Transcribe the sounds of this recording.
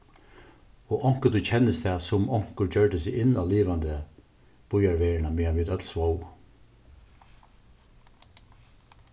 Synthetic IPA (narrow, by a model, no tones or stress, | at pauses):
ɔʔɔŋ̥kəd̪ut͡ɕʰɛnːəst̪ʰɛːsʊmɔŋ̥kʊɹd͡ʒœːɹʈəsɪɪnaliːʋand̪ə | b̥ʊjaɹʋeːɹənameːaʋɪt̪œt̪lsʋow